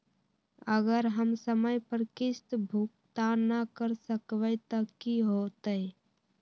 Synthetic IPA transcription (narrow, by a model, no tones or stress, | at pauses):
əɡəɾɦəmsəməjpəɾkɪst̪bʱuk̚t̪anəkəɾsəkʋət̪əkiɦot̪əj